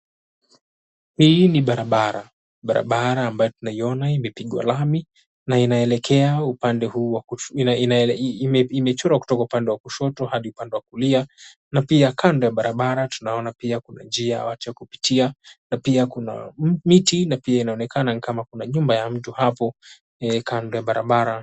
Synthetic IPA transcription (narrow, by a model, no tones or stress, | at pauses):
hiniɓaɾaɓaɾa̰ | ɓaɾa̰ɓaɾaːmbajɔtunaiɔnaimɛpiɠwa̰lami | nainaɛlɛkʰɛaupandɛhuːwakinmɛimɛt͡ʃɔɾaku̥tɔkaupandɛwakuʃɔtɔhaɗiupandɛwakulia | napiakʰandɔjaɓaɾaɓaɾatunaɔnapiakuna̰nd͡ʒiaja̰watujakupi̥tianapiakuna̰mitinapiainaɔnɛkʰananikamakunaɲumbajam̩tuhapɔ | ɛkʰandɔjaɓaɾa̰ɓaɾa